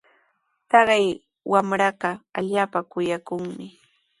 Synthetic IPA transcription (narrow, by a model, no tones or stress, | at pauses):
t̪ɑɢɑj | wamɾɑɢɑaʎaːpakʊjakʊŋmɪ